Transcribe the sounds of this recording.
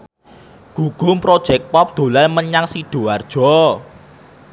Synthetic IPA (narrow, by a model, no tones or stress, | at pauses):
ɡ̥ṳɡ̥ʊ̤mpɾod̥ʒ̥ɛk̚pɔp̚d̪̥o̤lalməɲaŋsid̥o̤ard̥ʒ̥ɔ